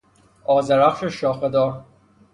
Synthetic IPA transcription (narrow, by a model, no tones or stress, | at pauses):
ɒːzeɾæχʃeʃɒːxed̪ɒːɾ